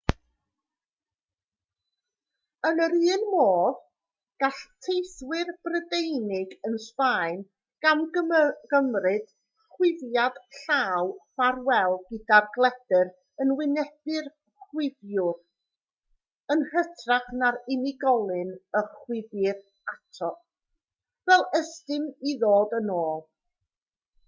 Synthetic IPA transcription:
ənəɾɨːnmoːð | ɡ̥aɬtʰejswɪrb̥rədejnɪɡənsvaɨn | ɡ̥amɡ̥əmrɨd̥ | χwɪðjad̥ɬaːwv̥arwɛlˠɡɪdarɡlˠɛd̥ɨɾ | ənwɪnɛb̥ɨr | χwɪvjʊr | ənhətʰraχnaɾɪnɪɡɔlˠɨnəχwɪðɪr | atʰɔ | vɛlˠəstɨmiðoːdənoːlˠ

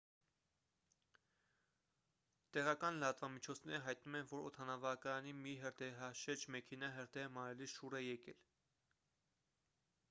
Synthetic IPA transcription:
t̪ɛʁɑkɑnləɑt̪vɑmit͡ʃʰɔt͡sʰnɛɾəɦɑjt̪numɛnvɔɾɔt̪ʰɑnɑvɑkɑjɑnimiɦəɾd̪ɛɦɑʃɛɾd͡ʒmɛkʰɛnɑɦəɾd̪ɛəmɑɾɛliʃuɾɛjɛkɛ̰l

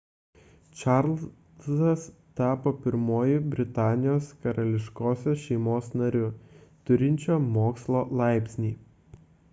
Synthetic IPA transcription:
t͡ʃɑɾlˠ | sɐs | t̪ɑːpoːpʲɪɾmoːjɪbʲɾʲɪt̪ɑːnʲɪjoːskɐɾɐlʲɪʃkoːsʲoʃʲɛɪmoːsnɐɾʲʊt̪ʊɾʲɪnʲt͡ʃʲoːmoːkslˠoːlˠɑˑɪpʲsʲnʲiː

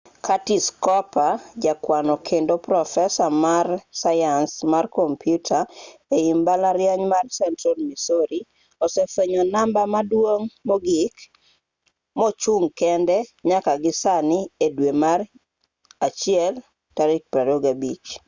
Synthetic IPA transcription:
kʰatiskɔpad͡ʒakwanɔkʰendopɾɔfɛsamarsajansmarkompjutʰaeimbalaɾjaɲmarsɛntɾolmisoɾi | ɔsɛfeɲɔnambamadwoŋmɔɡɪk | mɔt͡ʃuŋkɛndɛɲakaɡɪsaniedwemar | at͡ʃɪɛl | taɾik̚paɾoɡabit͡ʃ

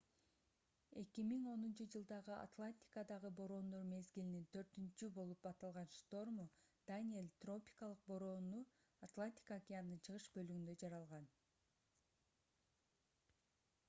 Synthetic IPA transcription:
e̞kimiŋo̞nunt͡ʃɯd͡ʒɯlˠd̪ɑʁɯʔa̰t̪lˠanʲt̪ʲi̥kəd̪ɑʁɯbo̞ɾo̞nd̪oɾme̞zɡilinint̪ʰø̞ɾt̪ynt͡ʃybo̞lˠupɑt̪ɑlˠʁɑnʃt̪o̞rmod̪anʲielʲt̪ro̞pʲi̥kalˠɯq̚boɾonu | at̪lˠanʲt̪ʲi̥kakʲijanɯnt͡ʃʰɯʁɯʃbø̞lyɡynd̪ø̞d͡ʒɑɾɑlˠʁɑn

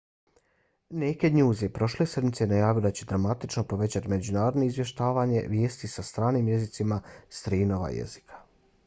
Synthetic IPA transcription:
neke̞d̪ɲuːzepɾo̞ʃle̞se̞d̪mit̪sejnajaːʋijod̪at͡ɕe̞d̪ɾamat̪it͡ʃno̞po̞ʋe̞t͡ɕat̪ime̞d͡ʑunaːɾo̞d̪no̞izʋje̞ʃt̪aːʋaɲe̞̰ʋjeːst̪isast̪ɾaːniːmje̞zit̪simast̪ɾiːnoʋa̰jḛzi̥kʰḁ

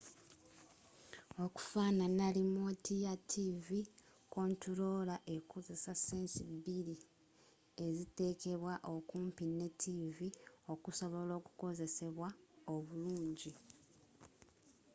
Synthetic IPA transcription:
o̞ku̥faːnanalimotʰijatʰivi | ko̞ːntuɾo̞laʔe̞koze̞saseːnsibili | e̞zite̞ːke̞βwaʔo̞kuːmpine̞tʰːivio̞kuso̞βo̞lo̞ːku̥ko̞ze̞se̞βwao̞βuluːɲɟi

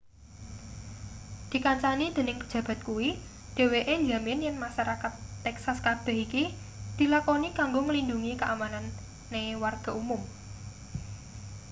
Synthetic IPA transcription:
d̪̥i̤kaɲt͡ʃanid̪̥ə̤nɪŋpə̥d͡ʒ̥ä̤b̥a̤t̪̚kuwi | d̥e̤weʔed͡ʒamɪnjanmaʃaɾakat̪ːɛksaskarb̪̥o̤ɦiki | d̪̥i̤lakonikaŋɡoŋəlinduŋikəʔamananː | ewarɡ̥a̤umʊm

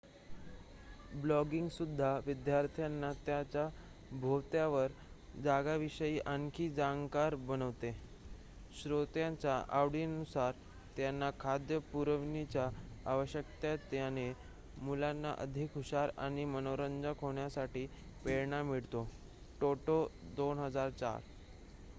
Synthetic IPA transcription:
blɔɡiŋɡsud̪ʱːaʋid̪jaɾt̪ʰjanːat̪jat͡ɕa | bʱot̪jaʋəɾd͡zaɡaʋiɕəjiːʔəŋkʰiːd͡zaŋɡkaɾbəñəʋt̪e | ɕɾot̪jãt͡ɕaʔa̰ʋɽiːnusaɾ | t̪janːakʰad̪jəpuɾəʋnit͡ɕjaːʋəɕjəkt̪jat̪ːjane | mulanːa̰ʔə̰d̪ʱikɦuɕaɾa̰ɽ̃imənoɾənd͡zakʰoɳjasaʈiː | peɭɳamiɭt̪o | ʈoʈod̪onɦəd͡zaɾt͡ɕa̰ɾ

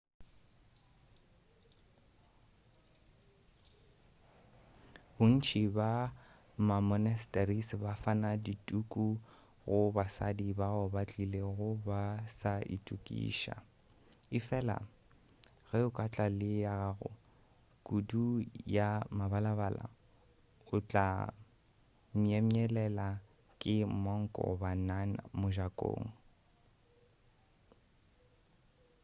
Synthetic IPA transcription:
bʊn̩t͡ʃʰiba | mamɔnɛstʼarisbafanaditʼukʼu | ɣʊbasa̰dibaɣʊbat͡ɬʼileɣʊbasaʔḭtʼukʼḭːʃa̰ | ɪfɛla̰ | ɣɛʊkʼat͡ɬʼalɪjaɣaɣʊ̰ | kʼudujamabalaβala̰ | ʊt͡ɬʼa̰ | miɛmiɛlɛla | kʼɪmɔŋ̩kʼɔ̰banana̰mʊʒakʼo̰ːŋ̩

